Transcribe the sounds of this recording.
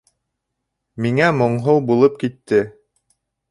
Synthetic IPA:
miŋæmŏɴɦowbulˠɤp̚kit̪ːɘ

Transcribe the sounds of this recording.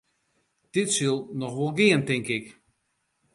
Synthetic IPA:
d̥ɪtsylˠnɔxʋolˠɡɪəntɪŋkɪk

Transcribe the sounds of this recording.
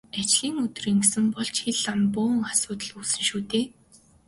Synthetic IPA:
at͡ɕɮiːŋɵt̪̆riːŋksɘ̆mpɔɮt͡ɕxeɮampʊːŋasʊːt̪ə̆ɮuːsɘ̆nʃuːt̪eː

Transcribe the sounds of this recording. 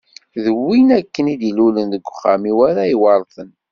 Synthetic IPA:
ðəwinækːənid̪ilulənðəɡʷːχamiwæɾaiwɑɾˤθən

